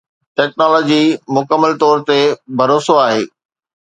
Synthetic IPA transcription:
ʈɛːknɔːlɔːd͡ʑimʊkəmːəlt̪ɔːɾt̪ebʱɐɾoːsoaːɦḛː

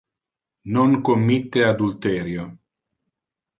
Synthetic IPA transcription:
noŋkomːit̪ːead̪ult̪ɛːɾjo

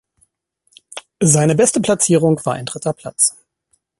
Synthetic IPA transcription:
zaɪnəbɛstəpʰl̥at͡siːʁ̞ʊŋkv̥aːɐʔa̰ɪndʁɪtɐpʰl̥at͡s

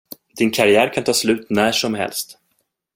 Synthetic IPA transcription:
d̪̥ɪnkʰaɾɪæːɾkʰant̪ʰɑːslʉ̟ːt̪næːʂɔmɦɛ̰lst̪

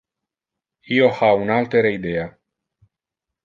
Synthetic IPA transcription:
iohawunalt̪eɾeid̪eja

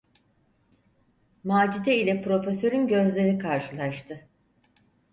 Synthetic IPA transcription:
maːd͡ʒit̪ɛilʲɛpɾo̞fesø̞ɾynɟø̞zlʲe̞ɾikʰaɾʃɯlˠaʃt̪ʰɯ

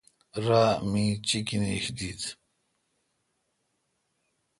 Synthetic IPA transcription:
ɾaːmĩt͡ɕikiniɕd̪iːd̪

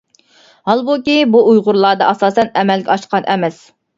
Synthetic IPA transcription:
hɑlˠbukʲibuujʁʊɾlˠɑːd̪ɑɑsɑːsɛnɛmɛlɡʲɛɑʃqʰɑnʔɛmɛs

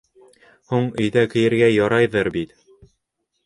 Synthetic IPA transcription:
huɴɵ̆jðækɘ̆jɘ̆ɾɡæjɒɾɑjðɤɾbit̪

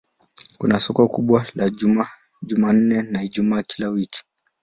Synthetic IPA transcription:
kunasɔkɔkuɓwala | ʄuman̩nɛnaiʄumaːkilawiki̥

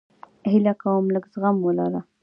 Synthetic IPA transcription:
hɪlakawəmləɡzɣamwəlɑɾa

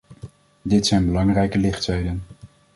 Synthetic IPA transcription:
dɪtsɛjnbəlɑŋrɛjkəlɪχtsɛjdən

